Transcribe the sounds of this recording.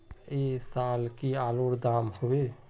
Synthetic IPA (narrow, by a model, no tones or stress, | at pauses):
esaːlkiaːloɾd̪aːmhobe